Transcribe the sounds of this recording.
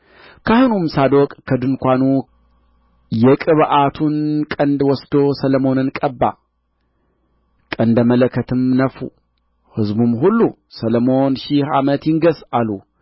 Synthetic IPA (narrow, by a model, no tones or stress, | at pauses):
kʰahnumsad̪okʼkʰːɐd̪ɨnkʷanu | jɛkʼɨβʔat̪ʰunkʼɐnd̪wɔsd̪o̞sɐlɐmo̞nɨnkʼɐbːa̰ | kʼɐnd̪ɐmɐlɐkʰːɐt̪ʰɨmnɐfṵ | hɨzbumhulːu | sɐlɐmo̞nʃɪha̰mɐt̪jɪŋɡɐsalu